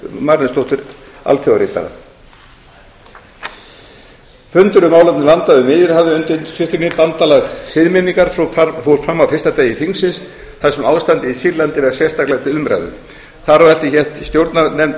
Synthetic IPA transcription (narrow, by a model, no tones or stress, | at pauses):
maɾnɪnst̪owht̪ʏɾ | a̰lθjowɣaɾɪːt̪a̰ða̰ | fʏnt̪ʏɾʏmaːwlat̪nɪlant̪aðʏmɪːðɪɾ̥havðɪʏnt̪ɪnt̪ʰɪft̪ɪɾnɪpant̪alaɣsɪðmɪniŋkaɾ̥ffowɾ̥fɾamːawfɪr̥st̪at̪eːjɪθiŋsɪns | θaðsɛmaːwst̪ant̪ɪisiɾlant̪ɪvɛɾ̥sjɛst̪aklɛɣt̪ɪʏmɾa̰ðʏ̰ | θaɾavɾɛl̥t̪ɪçɛ̥t̪st̪jowɾt̪nanɛm